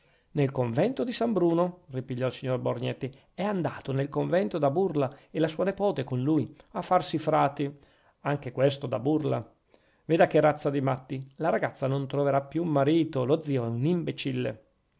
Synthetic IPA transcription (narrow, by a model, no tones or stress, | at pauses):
nelkoɱvɛnt̪od̪isambɾuːnoripiʎːɔilsiɲːorborɲɛt̪ːi | ɛand̪aːt̪onelkoɱvɛnt̪od̪aburlaelasuːanepɔːt̪ekonlujafːarsifɾaːt̪i | aŋk̟ekwest̪od̪a̰burla̰ | veːd̪akeɾat̪sːad̪imat̪ːilaɾaɡat̪sːanont̪ɾoveɾapːjuːmːaɾiːt̪olod̪zːiːoɛunimbet͡ʃilːḛ